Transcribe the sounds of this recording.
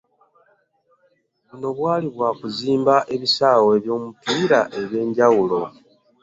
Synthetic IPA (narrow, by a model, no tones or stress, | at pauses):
βuno̞βwaːliβwaːkuziːmbaʔe̞βisaːwe̞ːβjo̞ːmupiːɾaʔe̞βje̞ːɲɟawulo̞